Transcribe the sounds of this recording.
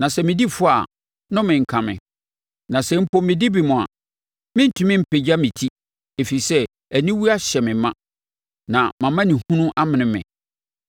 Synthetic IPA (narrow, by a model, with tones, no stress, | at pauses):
nã˨sɛ˦mɪ̃˨di˦fʊ˦a̰˨ | nʊ̃˦mɪ̃˨ŋ̩˨kʰã˨mɪ̰̃˨ | nã˨sɛ˦m̩˦pʰɔ̃˦mːɪ̃˨di˦bi˨mʊ̃˨a̰˨ | mɪ̃˦n̩˦tʰũ˦mɪ̃˦m̩˨pʰe˨d͡ʑa˦mɪ̃˨tʰi˦ | e˨fi˨sɛ˦ | æ˨nĩ˦wu˦a˦ɕɛ˨mɪ̃˨mã˦ | nã˨mã˨mã˦nĩ˨hũ˦nʊ̃˦ʔa˦mɪ̃˨nɪ̃˦mɪ̰̃˨